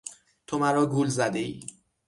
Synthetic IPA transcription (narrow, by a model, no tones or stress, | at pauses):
t̪ʰomæɾɒːɡuːlzæd̪e̞iː